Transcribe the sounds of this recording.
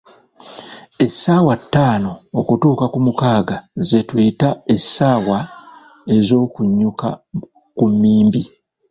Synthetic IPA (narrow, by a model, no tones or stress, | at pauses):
e̞sːaːwatːaːno̞ːkutuːkakumukaːɡaze̞twitae̞sːaːwa | e̞zo̞ːkuɲːuka | kumːiːmbi